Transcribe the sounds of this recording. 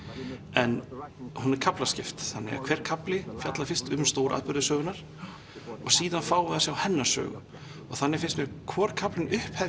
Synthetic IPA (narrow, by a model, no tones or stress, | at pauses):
ɛnhunɛɾ̥kʰaplascɪft̪θanːɪ̰ɣa̰kʰv̥ɛɾ̥kʰaplɪfjat̪lafɪn̥st̪ʏmst̪owɾʔa̰ðpʏɾðɪsœːɣʏnaɾ̥ | ɔɣsiːðanfaːwʏðasɛawhɛnːḁsœ̰ːɣʏ̰ | ɔ̰ɣθanːɪɾ̥fɪnst̪mɛðkʰvɔːɾkʰaplɪnʏhphɛ